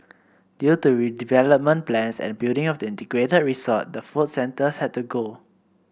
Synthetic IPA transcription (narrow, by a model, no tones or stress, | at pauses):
djutuɹidivɛləp̚mə̃nplɛ̃nsɛ̰̃nbildɪ̃ŋɔfdəĩntɛɡɹetəd̚ɹisɔt̚dəfutsɛ̃ntəshɛd̚tuɡo